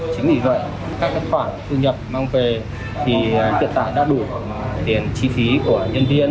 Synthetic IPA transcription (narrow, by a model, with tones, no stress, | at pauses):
t͡ɕï˨˦ŋ̟mḭ˧˩və̰˧˨jʔ | kaː˦˥k̚ːe˦˥k̚kwaː˧˩t̪ʰu˧ɲə˨˩p̚maː˧ŋve˨˩ | t̪ʰi˨˩t̪ʰḭ˧˨nt̪a̰ː˧˨jɗa̰ː˧˥ɗu˧˩˨t̪i˨˩ənt͡ɕi˧fi˨˦ku˧˩əɲə˧nvi˧ən